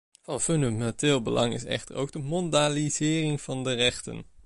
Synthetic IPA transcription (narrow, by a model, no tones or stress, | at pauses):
v̥ɑnfɵndamɛntɪːlˠbə̰lʔɑŋɪ̰sɛ̰χtəro̰wɡ̚dəmɔndaːlizɪːrɪŋv̥ɑndərɛχtə̰n